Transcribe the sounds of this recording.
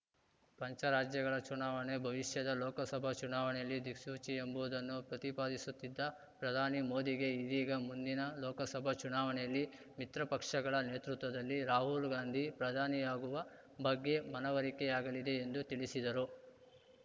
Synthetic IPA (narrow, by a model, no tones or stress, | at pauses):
pɐɲt͡ʃɐɾaːd͡ʒjɐɡɐɭɐt͡ʃunaːʋɐɳebʱɐʋiʂjɐd̪ɐlɔːkɐsɐbʱɐt͡ʃunaːʋɐɳɛjɐlːid̪iksuːt͡ʃiembuʋd̪ɐnːupɾɐt̪ipaːd̪isut̪ːid̪ːɐ | pɾɐd̪ʱaːnimo̞ːd̪iɡe̞id̪iːɡɐmund̪inɐlɔːkɐsɐbʱɐt͡ʃunaːʋɐɳɛjɐlːi | mit̪ɾɐpɐkʂɐɡɐɭɐne̞ːt̪ɾut̪ʋɐd̪ɐlːiɾaːɦulɡaːnd̪ʱipɾɐd̪ʱaːnijaːɡuʋɐ | bɐɡːe̞mɐnɐʋɐɾikɛjaːɡɐɭid̪e̞ːnd̪ut̪iɭisid̪ɐɾu